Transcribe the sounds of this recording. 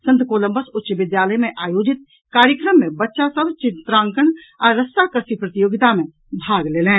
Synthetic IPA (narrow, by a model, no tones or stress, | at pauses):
sə̃nt̪koːlə̃mbəsʊtːʃəʋɪd̪jaːləjmẽʔaːjoːd͡ʒɪt̪̚ | kaːɾjəkɾəmːẽbɐtːʃasəbt͡ʃɪt̪ɾãːŋkəɳ | ɔɾːəst̪akəɾsipɾət̪joːɡɪt̪amẽ | bʱaːɡleːlẽː